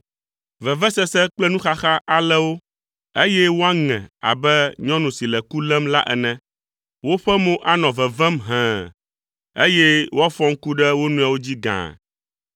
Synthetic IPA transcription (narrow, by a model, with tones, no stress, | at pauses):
vɛ˨vɛ˦sɛ˦sɛ˦k͡plɛ˦nũ˦xa˦xa˦ʔa˨lɛ˦wo˦ | e˦jɛ˦wo˦a˦ŋɛ̰̃˨a̰˨bɛ˦ɲɔ̃˦nũ˨si˨lɛ˨ku˦lɛ˦mla̰˦ʔɛ̰˨nɛ̃˨ | wo˦ɸɛ˦mõ˦ʔa˨nɔ̃˨vɛ˨vɛ˦mɦɛ̃˨ | ḛ˦jɛ˦wo˦a˦fɔ̃˦ŋ̩˦ku˦ɖɛ˦wo˦nũ˦a˨wo˦d͡ʑi˦ɡã̰˨